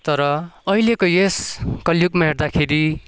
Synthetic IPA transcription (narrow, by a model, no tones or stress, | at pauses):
t̪ʌɾʌʌilekojeskʌljukmaɦeɽd̪akʰeɾi